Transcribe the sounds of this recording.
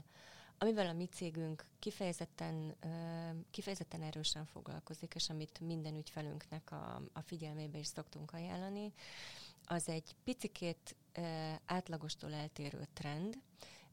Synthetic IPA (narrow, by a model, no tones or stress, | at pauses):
ɒmivɛlɒmit̪seːɡyŋkːifɛjɛzɛt̪ːɛn | kifɛjɛzɛt̪ːɛnɛɾøːʃɛɱfo̞̰ɡlɒ̰lko̞zikeːʃɒmit̪mind̪ɛnycfɛly̰ŋknɛkɒ̰ɒ̰fiɟɛlmeːbɛiʃso̞kt̪uŋkɒja̰ːlːɒni | ɒzɛɟpit̪sikʰeːt̪ | aːt̪lɒɡo̞ʃt̪o̰ːlɛlt̪eːɾø̰ːt̪rɛnd̪